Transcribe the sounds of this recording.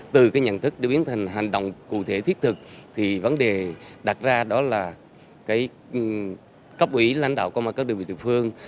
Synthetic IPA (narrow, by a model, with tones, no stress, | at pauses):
t̪ɨ˨˩kaː˨˦jɲə̰˧˨nt̪ʰɨ˦˥k̚ɗe˨˧˩ɓi˨˦ənt̪ʰa˨˩ŋ̟ɦa˨˩jŋ̟ɗo̰˧˨wŋ͡mkṵ˧˨t̪ʰe˧˩t̪ʰi˦˥ət̚t̪ʰɨ˨˩k̚t̪ʰi˨˩və˨˦nɗe˨˩ɗa˨˩t̚zaː˧ɗɔ˨˦laː˨˩ | kaː˨˦j | kə˦˥p̚ʔwi˧˩˦la̰˧jŋ̟ɗa̰ː˧˨wkɔ˧maː˨˩kːaː˦˥ɗɨ˨˩ŋvḭ˨˩ḭ˨˩˨fɨ˧əŋ